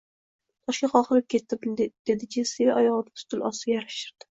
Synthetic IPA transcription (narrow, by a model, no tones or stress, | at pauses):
t̪ʰɒʃkʲaχɒχɨɾɪp̚kʲʰe̞t̪ːɪpd̪̥e̞d̪ɪkʲʰɪsevɪʔajɒʁɨd̪ḁt̪ʰʊ̥t̪ʰɪlʔɒsɪjaɾaʃɪɾd̪̥ɪ̥